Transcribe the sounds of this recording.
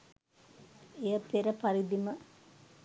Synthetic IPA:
ejəpeɾəpɐɾid̪imə

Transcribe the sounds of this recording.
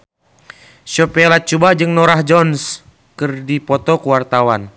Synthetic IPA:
ʃɔpɛlat͡ʃubad͡ʒɨŋnɔɾahd͡ʒɔns | kɨrdipɔt̪ɔkuwart̪awan

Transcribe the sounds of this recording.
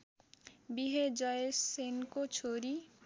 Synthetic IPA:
biɦed͡ʒʌessenkot͡sʰoɾi

